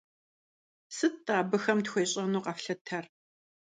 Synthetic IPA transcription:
sɨtːʼaːbɨxɐmtxʷeːɕʼɐnuːqɐfɬɐtʰɐr

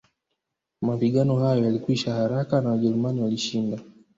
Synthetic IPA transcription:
mapiɠanɔhajɔjalikwiʃahaɾakanawaʄɛɾumaniwaliʃinda

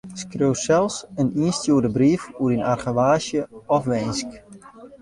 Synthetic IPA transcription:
skrøwsɛlˠsəniənstjuədəbriəfuɾinarχəʋaːʃjəɔfʋɛjnsk

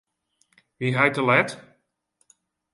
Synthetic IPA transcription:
ʋiɦɛjtəlɛt

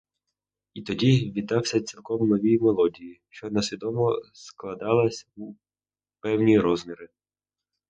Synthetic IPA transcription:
it̪ɔdʲiʋʲid̪ːɑwsʲɐt͡sʲilˠkɔmnɔʋʲijmelˠɔdʲijiʃt͡ʃɔnɐsʲʋʲid̪ɔmɔsklˠɐd̪ɑlˠɐsʲu | pɛwnʲijɾɔzmʲiɾɪ

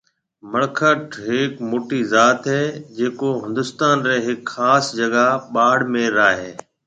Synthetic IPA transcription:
məɽkʰəʈɦɪkmoːʈizaːt̪ɦɛːd͡ʒeːkoɦɪ̃nd̪ʊst̪aːnɾɛːɦɪkxaːsd͡ʒɐɠaɓaːɽmẽɾaːɦeː

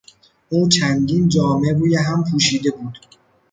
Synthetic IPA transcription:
ʔuːt͡ʃʰænd̪iːnd͡ʒɒːme̞ɾuːjeɦæmpʰuːʃiːd̪e̞buːd̪̥

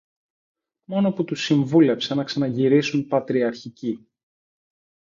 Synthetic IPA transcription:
mo̞no̞put̪usiɱvule̞psenɐksɐnɐʝiɾisunpɐt̪ɾiɐɾçici

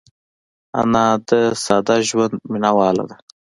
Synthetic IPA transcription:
a̰nɑːd̪əsɑːd̪aʒwand̪minawɑːla̰d̪a

